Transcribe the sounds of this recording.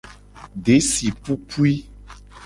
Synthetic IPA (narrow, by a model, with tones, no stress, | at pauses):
ɖe˨˦si˨pu˦kʰu˦i˦